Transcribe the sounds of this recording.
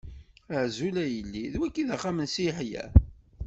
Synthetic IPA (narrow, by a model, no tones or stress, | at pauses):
əʕzulæjəlːiðwækːiðaχæmənsiħjæ̰